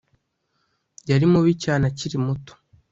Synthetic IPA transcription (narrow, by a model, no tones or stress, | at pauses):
jaɾimuβicaːnaciɾimuto̥